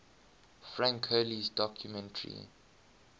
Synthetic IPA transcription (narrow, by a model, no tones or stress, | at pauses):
fɹãŋkʰɛlizdɔkʰjumɛ̃ntʰəɹḭ